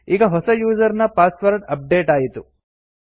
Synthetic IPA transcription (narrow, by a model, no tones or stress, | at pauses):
iːɡɐɦɔsɐjuːd͡ʒɐɾnɐpaːsʋɐɾɖɐp̚ɖeːʈaːjit̪u